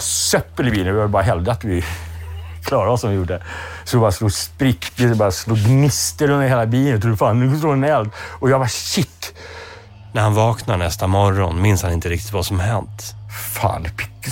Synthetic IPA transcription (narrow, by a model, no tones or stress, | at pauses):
sœpːəlɪbiːlənvɪajbɑːɾaɦɛld̪aat̪vɪ | kʰlɑːɾaɔsɔmvɪjʊɖəɛsɔɛbɑːɾasluːspɾɪkːt̪ɪsɔbɑːɾasluːɡnɪst̪əɾɵnd̪ɾheːlabiːlət̪ɔd̪ʉfaːnːʉsloːɛnɛlt̪ɔjɑːɡbɑɕɪt̪ː | næɾhanvɑːknaɳɛst̪amɔɾɔnmɪnshanɪnt̪əɾɪkt̪ɪ̥t̪vasɔmhɛnt̪fa̰ːnd̪ɛpʰɪ̥kː